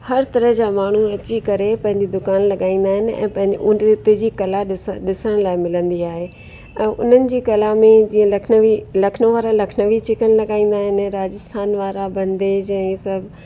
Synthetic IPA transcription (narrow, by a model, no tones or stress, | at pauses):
hɐɾt̪ɐɾəɦd͡ʑaːmaːɳ̤uɐt͡ɕikɐɾepɐ̃ɦɪ̃ɲd͡ʑid̪ʊkaːnlɐɠaːĩːn̆d̪aːɦɪnɪ̆ɛ̰̃ːpɐ̃ɦɪ̃ɲd͡ʑʊ̃t̪d͡ʑiːkɐlaɗɪɗɪsəɽ̃laːɪmɪlə̃nd̪iaːɦeː | ɛ̃ːʔʊ̰n̤ənɪ̆d͡ʑiːkɐlamẽd͡ʑĩːə̃lɐʋilɐkʰnəʋaːɾalɐkʰnəʋit͡ɕɪkəɽ̃̆lɐɡaːĩːn̆d̪aːɦɪnɪ̆ɾaːd͡ʑɪst̪ʰaːnʋaːɾabɐ̃nd̪ʱed͡ʑɛ̃sɐbʱ